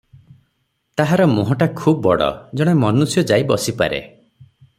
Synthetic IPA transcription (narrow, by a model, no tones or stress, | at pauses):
t̪aɦaɾɔmoɦɔʈakʰubɔbɔ̰ɽɔ̰d͡ʒɔɽ̃emɔnusjɔd͡ʒajibɔsipa̰ɾḛ